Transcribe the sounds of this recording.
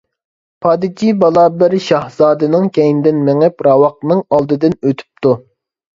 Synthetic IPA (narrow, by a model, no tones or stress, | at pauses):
pʰɑːd̪ɨt͡ʃʰibɑlˠɑːbɪɾʃɑhz̥ɑːd̪ɨnɨŋkʲʰɛjinɪd̪ɪnmɪŋɪpɾɑwɑq̚nɨŋɑlˠd̪ɨd̪ɨnøt̪ʰy̥p̚t̪ʰu